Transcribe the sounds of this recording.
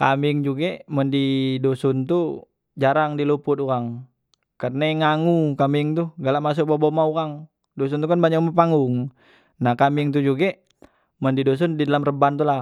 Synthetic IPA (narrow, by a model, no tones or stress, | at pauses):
ka̰mɪŋd͡ʒuɡeməndidosunt̪u | d͡ʒaɾaŋdilupʊt̪uɾaŋ | kərnaŋaŋukamɪŋt̪uɡalaʔmas̬ʊk̚bobomauɣaŋ | dos̬unt̪ukanbaɲak̚mapaŋʊŋ | nahkamiŋt̪ud͡ʒuɡe | məndidos̬ʊndidalamrəbant̪ula